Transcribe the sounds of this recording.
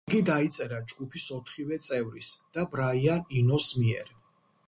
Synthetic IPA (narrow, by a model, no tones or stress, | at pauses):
ɡid̪ait̪sʼɛɾad͡ʒɡupʰisɔt̪ʰχivɛt̪sʼɛvɾisd̪̥abɾaianinɔsmiɛɾ